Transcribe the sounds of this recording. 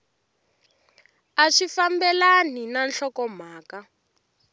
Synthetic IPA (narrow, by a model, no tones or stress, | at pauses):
aʂifambɛlaninanɬɔkɔm̤aːka